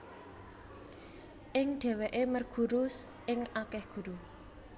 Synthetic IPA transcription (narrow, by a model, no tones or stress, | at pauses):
ʔɪŋɖ̥e̤weʔemərɡ̥ṳɾʊs | ɪŋakɛhɡ̥ṳɾu